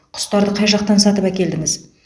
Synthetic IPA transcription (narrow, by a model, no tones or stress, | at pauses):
qʰʊ̥st̪ɑɾd̪əqʰɑjʒɑq̚t̪ɑnsɑt̪əpækʲe̞ld̪ɪŋɪz